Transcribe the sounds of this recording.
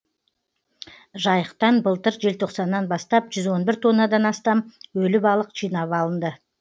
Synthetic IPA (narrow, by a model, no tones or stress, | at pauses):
ʒɑjəqt̪ɑnbəlˠt̪əɾʒe̞lt̪ʰo̞qsɑnːɑnbɑst̪ɑpʒʏzwo̞nbɪɾt̪ʰo̞nːɑd̪ɑnɑst̪ɑmwɵlɪbɑlˠəqʒ̥ijnɑβɑlˠənd̪ə